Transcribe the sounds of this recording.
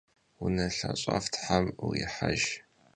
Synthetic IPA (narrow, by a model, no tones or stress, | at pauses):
wʊnɐɬɐɕʼaftʰħamujɪħaʒ